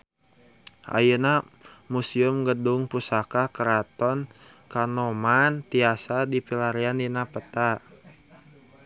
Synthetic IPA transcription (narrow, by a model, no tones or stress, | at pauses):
ʔa̰jənamusiəmɡədʊŋpusakakəɾat̪ɔn | kanɔmant̪iasadipilaɾiandinapət̪a